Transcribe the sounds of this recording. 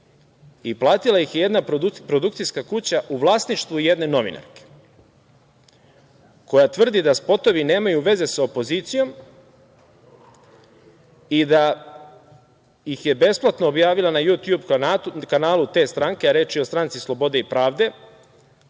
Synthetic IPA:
iplˠaːt̪ilˠajixjeje̞d̪napɾo̞d̪ukt̪sijskakut͡ɕaʔuʋlˠaːsniʃt̪ʋuje̞d̪ne̞no̞ʋḭna̰ɾke̥ | ko̞jat̪ʋr̩d̪id̪aspo̞t̪o̞ʋine̞ːmajuʋe̞ze̞saopo̞zit̪sijo̞m | id̪a | jixje̞be̞splˠat̪noːbjaːʋilˠanajut̪jubkanaːlˠut̪e̞ːst̪ɾaŋke̞aɾeːt͡ʃio̞st̪ɾant̪sislˠo̞bo̞d̪e̞ipɾaːʋd̪e̞

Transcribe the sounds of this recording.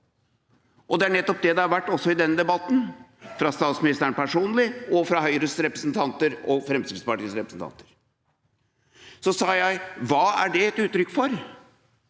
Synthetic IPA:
ʔɔd̪ɛæɳɛt̪ːɔp̚d̪ɛd̪ɛhɑɾʋæʈːɔsːɔɪd̪ɛnːəd̪ɛbɑt̪ːn̩fɾɑst̪ɑːt̪smɪnɪst̪əɾəɳpæʂuːnlɪɔfɾɑɦœʏɾəsɾɛpɾəsnt̪ʰɑnt̪əɾɔfɾɛmsid̪spɑʈiːsɾɛpɾəsn̩t̪ʰɑ̰nt̪ə̥ɾ | sɔsɑːjæɪʋɑːæɖɛɛt̪ʉːt̪ːɾʏkːfɔɾ

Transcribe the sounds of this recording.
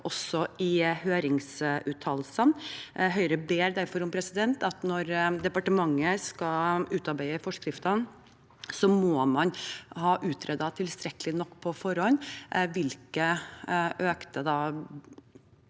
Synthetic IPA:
ʔɔsɔɪhøːɾɪŋsʉːt̪ʰːɑlsənɦœʏɾəbeːɾd̪æɾfɔɾɔmpʰɾɛsɪd̪ɛnt̪ɑt̪nɔɾd̪ɛpɑʈəmɑŋːəskɑʉːt̪ɑɾbæɪəfɔʂkɾɪft̪ɑn | sɔmoːmɑnhɑːʔʉːt̪ʰɾɛd̪ɑt̪ʰɪlst̪ɾɛkəlɪnɔkːpʰɔfɔɾɔnʋɪlkəʔøːkt̪əd̪ɑː

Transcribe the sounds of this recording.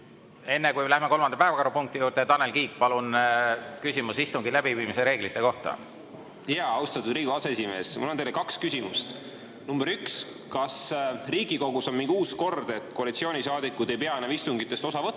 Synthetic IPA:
e̞nːekujlæhmeko̞lmɑnd̪ɑpæevɑkɑɾupuŋk̚t̪ijuːɾt̪et̪ɑne̞lkiːkˑpɑlunkysʲimusist̪uŋɡilæb̥iviːmiseɾe̞ːɡ̥lit̪ˑːe̞ko̞ht̪ɑ̰ | jɑːɑwst̪ɑt̪ːˑud̪̥riːɡuɑsesime̞ːsmulont̪ejlekɑkskysʲimust̪ | numb̥eɾyks | kɑsriːɡiko̞ɡusonmiŋɡ̥uːsko̞rd̪̥e̞t̪ːˑkoɑlit̪sio̞ːnʲisɑːd̪ikːud̪e̞jpeɑenːɑvist̪uŋɡit̪ːˑe̞st̪o̞sɑvɤt̪ː

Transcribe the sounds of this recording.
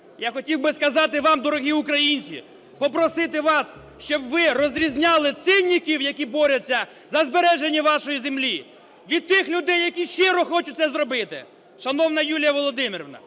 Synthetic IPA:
jaxɔtʲiwbɪskɐzɑt̪ɪʋɑmd̪ɔɾɔɦiʊkɾɐjinʲt͡sʲḭ | pɔpɾɔsɪt̪ɪʋɑs | ʃt͡ʃɔbʋɪrɔzʲɾʲizʲnʲɑlˠɪt̪sɪnʲːikʲiwjɐkʲibɔɾʲɐt͡sʲːɐ | zɐzbeɾɛʒenʲːɐʋɑʃɔjizemlʲi | ʋʲid̪̚t̪ɪxlʲʊd̪ɛjːɐkʲiʃɪɾɔxɔt͡ʃʊt̚ʲtsɛzɾɔbɪt̪ɪ̰ | ʃɐnɔwnɐjulʲjɐʋɔlˠɔd̪ɪmɪɾɔʋnɐ̰

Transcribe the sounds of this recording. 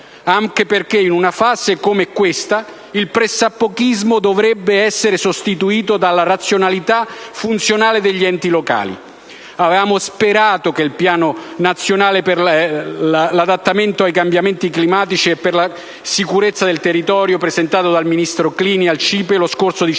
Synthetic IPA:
aŋkeperkeinunafaːzekomeɛkːwest̪a | ilpɾesapːokizmod̪ovɾɛbːeɛsːeɾesost̪it̪uiːt̪od̪alːaɾat̪sːjonalit̪afunt̪sjonaːled̪eʎːiɛnt̪iloka̰ːlḭ | avvaːmospeɾaːt̪okelpjaːnonat̪sːjonaːleper | lad̪at̪ːament̪oajkambjament̪iklimaːt̪it͡ʃiɛpːerla | sikuɾet̪sːad̪elt̪erːit̪ɔːɾjopɾezent̪aːt̪od̪alminist̪ɾokliːnialt͡ʃiːpeloskortsod̪i

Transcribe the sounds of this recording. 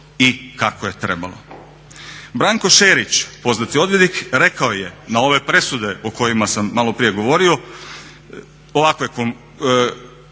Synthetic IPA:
ikakoje̞t̪ɾe̞ba̰lo̞̰ | bɾaːŋko̞ʃeːɾit͡ɕpo̞znat̪io̞d̪ʋjed̪ikɾe̞kaoje̞nao̞ʋe̞pɾe̞sud̪e̞oko̞jimasamːalo̞pɾije̞ɡo̞ʋo̞ɾio̞ | oʋakoje̞kom

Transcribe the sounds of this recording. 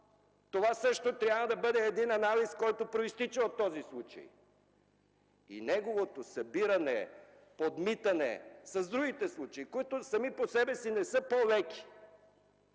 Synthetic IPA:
t̪ovasɤʃt̪ot̪ɾʲjabvɐd̪ɐbɤd̪ɛːd̪inɐnaliskɔjt̪opɾoist̪it͡ʃɐot̪ːɔzislˠut͡ʃɐ̰j | ḭnɛɡovot̪osɐbiɾɐnɛ | pod̪mit̪ɐnɛ̰sɐzd̪ɾuɡ̟it̪ɛslˠut͡ʃɐikoit̪osɐmiposɛbɛsinɛsɤpovɛki̥

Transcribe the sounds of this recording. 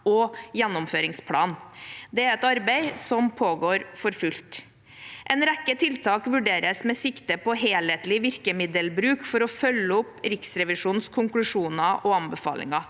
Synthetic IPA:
ɔjɛnːʊmføːɾɪŋspʰlɑ̰ːnd̪ɛæɾɛt̪ɑɾbeɪsɔmpʰoːɡoːɾfɔɾfʉlt̪ | ʔɛnɾækːət̪ʰɪlt̪ʰɑːkʋʉɖeːɾəsmɛsɪkt̪əpɔɦeːleːt̪lɪʋɪɾkəmɪd̪əlbɾʉːkfɔɾɔfœlːəɔpɾɪksɾɛʋɪʂuːnskʰʊŋklʉʂuːnɑʔɔɑmbəfɑ̰ːlɪ̰ŋɑ

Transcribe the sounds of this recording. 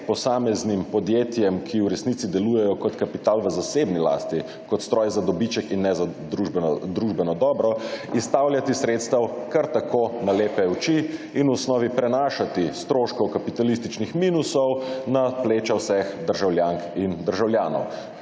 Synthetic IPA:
pɔsaːmɛznimpɔd̪jeːt̪jɛmkʰiwɾɛsnit̪sid̪ɛluːjɛjɔkɔt̪kapit̪aːlʋəzasebnila̰ːst̪i | kɔt̪st̪ɾɔːjzad̪ɔbit͡ʃɛkinːɛza | ud̪ɾuʒbɛnɔd̪ɔːbɾɔist̪awljat̪isɾeːt̪st̪awkaɾt̪akʰonaleːpɛut͡ʃi | inwɔsnɔːʋipɾɛnaːʃat̪ist̪ɾoːʃkɔkapit̪alist̪it͡ʃnixminusɔwnapleːt͡ʃawsɛxd̪əɾʒawljaŋkind̪əɾʒawljaːnɔ̰w

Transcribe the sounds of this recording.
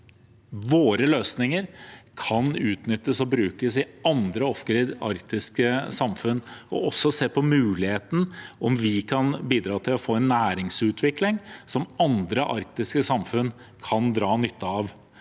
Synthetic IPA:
ʋoːɾəløːsnɪŋəɾkʰɑnʉːt̪nʏt̪ːəsɔbɾʉːkəsɪɑnd̪ɾəɔfkɾɪd̪ɑ̰ɾkt̪ɪskəsɑmfʉnːɔ̰ʔɔsːɔseːpʰɔmʉːlɪheːt̪n̩ʔɔmʋɪkʰɑnbiːd̪ɾɑːt̪ʰɪlɔfoːɛnːæːɾɪŋsʉːt̪ʰʋɪklɪŋsɔmɑnd̪ɾəʔɑ̰ɾk̚t̪ɪskəsɑmfʉn | kʰɑnd̪ɾɑːnʏt̪ʰːəɑʋ

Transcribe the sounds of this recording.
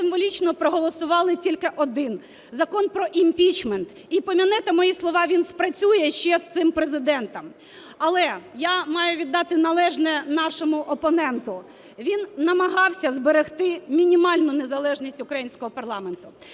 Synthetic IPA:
sɪmʋɔlʲit͡ʃnɔpɾɔɦɔlˠɔsʊʋɑlˠɪtʲilʲkɪʔɔd̪ɪn | zɐkɔnpɾɔʔimʲpʲit͡ʃment̪ | ipɔmʲinɪt̪ɐmɔjislˠɔʋɑʋʲinspɾɐt͡sʲujɛʃt͡ʃɛst̪ɪmpɾezɪd̪ɛnt̪ɐm | ɐlˠɛjamɑjʊʋʲid̪ːɑt̪ɪnɐlˠɛʒnɛnɑʃɔmʊʔɔpɔnɛnt̪ʊ | ʋʲinnɐmɐɦɑwsʲɐzbeɾext̪ɪmʲinʲimɑlʲnʊnezɐlˠɛʒnʲisʲtʲʊkɾɐjinʲsʲkɔɦɔpɐrlˠɑment̪ʊ

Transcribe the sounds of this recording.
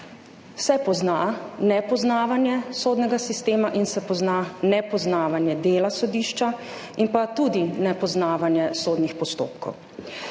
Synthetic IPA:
sɛpɔznanɛpɔznaːʋanjɛsoːd̪nɛɡasist̪eːmaʔinsɛpɔznanɛpɔznaːʋanjɛd̪eːlasɔd̪iːʃt͡ʃa | impat̪ud̪inɛpɔznaːʋanjɛsoːd̪nixpɔst̪o̰ːpkɔ̰w

